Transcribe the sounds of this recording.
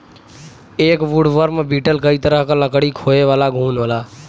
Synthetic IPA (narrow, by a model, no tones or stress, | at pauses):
eːkʋuɽʋəɾmebiːʈəlkəit̪əɾəɦkãləkɽikʰoːeʋaːlaɡʱuːnʋaːlaː